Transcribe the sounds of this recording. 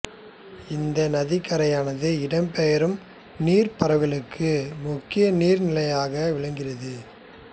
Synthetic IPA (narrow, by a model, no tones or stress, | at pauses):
ɪnd̪ɐnɐðɪkːɐɾɐjaːnɐðɯɪɽɐmpɛjɐɾɯm | niːɾpɐɾɐʋɣɐɭɯkʰːɯmʊkːɪjɐniːɾnɪlɐjaːɣɐʋɪɭɐŋɡɪrɐðɯ